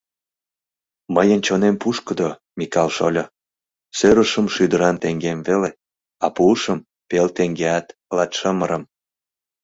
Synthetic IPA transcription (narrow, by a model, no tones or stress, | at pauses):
məjənt͡ɕonempuʃkəd̪o | mikɑlʃolʲo | søɾəʃəmʃyd̪əɾɑnt̪eŋɡemvele | ɑpuːʃəm | pelt̪eŋɡeɑt̪lɑt̪ʃəməɾəm